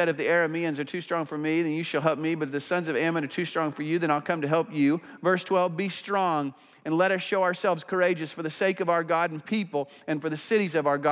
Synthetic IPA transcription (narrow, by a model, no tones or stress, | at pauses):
ɛɾɨfðiɛɹɨmiɨ̃nzə˞tʰʉstɹ̥ɔ̃ŋfə˞miðɨ̃njɨʃɨlˠɦɛlˠp̚mibʌɾɨfðɨsʌ̃nzʌvæmə̃nə˞tʰʉstɹ̥ɔ̃ŋfə˞jɨðɨ̃ɾ̃aɪlˠkʰʌ̃mtɨɦɛlˠpjʉvɜ˞stʰw̥ɛlˠvbistɹ̥ɔ̃ŋ | ɨ̃nlɛɾʌsʃoʊaʊə˞sɛlˠvz̥kʰə˞eɪd͡ʒɨsfə˞ðɨseɪkʌvaʊə˞ɡɑɾn̩pʰipl̩ˠ | ɨ̃nfə˞ðɨsɪɾizʌvaʊə˞ɡɑ